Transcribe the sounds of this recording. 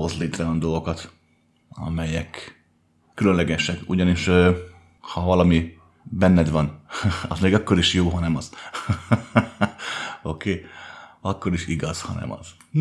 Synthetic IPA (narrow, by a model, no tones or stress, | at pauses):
o̞zleːt̪rɛɒnd̪o̞lɡokɒt̪ | ɒ̰mɛjɛkː | ylønlɛɡɛʃɛkṵɟɒniʃø | hɒvɒlɒmi | bɛnːɛd̪vɒnɒ̰zmeːɡɒkːo̞ɾiʃjoːɦɒnɛmɒz̥ | o̞kʰeːɒkːo̞ɾiʃiɡɒz̥hɒ̰nɛ̰mɒ̰z̥